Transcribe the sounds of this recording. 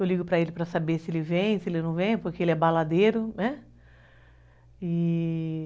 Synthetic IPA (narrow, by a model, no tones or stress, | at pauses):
ewliɡʊpɾɐelɪpɾɐsabesɪelɪvẽj̃sɪelɪnɐ̃w̃vẽj̃pʊɾkeelɪɛbalad̪eɾʊnɛ | ɪ